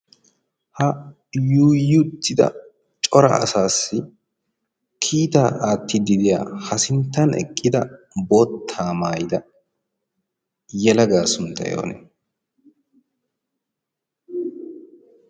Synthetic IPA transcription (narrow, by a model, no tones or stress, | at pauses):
hɐ | juːjʊt̪ːɪd̪ɐ̰ | t͡ʃʼɔɾɐ̰ɐ̰saːsːɪ | kʰiːt̪aːʔaːt̪ːɪd̪ɪd̪ɪja̰ːhɐsɪnt̪ːɐnɛ̰kʼːɪd̪ɐ | bɔt̪ʰːaːmaːjd̪ɐ | jɛlɐɡaːsʊnt̪ːɐ̰jo̰ːnɛ̰